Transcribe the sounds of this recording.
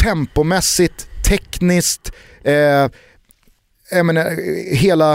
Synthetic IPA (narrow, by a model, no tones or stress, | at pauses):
tʰɛmpʊmɛsːɪt̪ʰːɛknɪskt̪ː | jameːnːaɦeːla